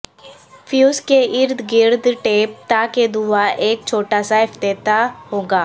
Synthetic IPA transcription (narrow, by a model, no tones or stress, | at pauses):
fjuːskeʔɪɾd̪ʱɡɪɾd̪ʱʈeːp̚t̪aked̪uaʔeːk̚t͡ʃʰoːʈasaɪft̪eːt̪aɦõːɡaː